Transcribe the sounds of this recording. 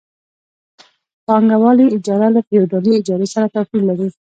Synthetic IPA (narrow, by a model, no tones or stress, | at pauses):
pɑŋɡawɑliɪd͡ʒɑɾalafejuɖaliɪd͡ʒɑɾesaɾat̪afilːaɾi